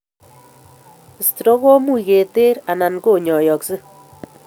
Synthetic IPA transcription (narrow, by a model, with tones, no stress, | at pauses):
stɾo˦ɣo˦mu˦i˨ke˨te˦ɾa˨na˨nko˦˨ɲɔ˨jɔ˨ksɨ˦